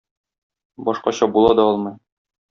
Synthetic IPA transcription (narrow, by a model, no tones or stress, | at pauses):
bɒʃqɑɕɑbulˠɑd̪ɒɒlˠmɤj